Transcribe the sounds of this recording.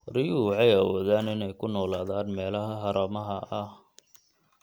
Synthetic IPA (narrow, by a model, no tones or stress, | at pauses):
rɪjuʕɛjɐwɔːðaːnɪnɛjkʰʊnɔːlaːðaːnmɛːlɐɦɐɦɐɾɐmɐɦɐʔɐh